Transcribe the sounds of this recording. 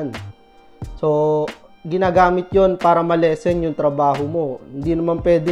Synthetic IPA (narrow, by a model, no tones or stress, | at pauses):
n | so̞ | ɡɪnaːɡaːmɪt̪̚jonpaːɾɐmɐlɛːsɛŋjʊŋt̪ɾɐbaːɦomo̞hɪnd̪iːnɐmanpwɛːd̪ɪ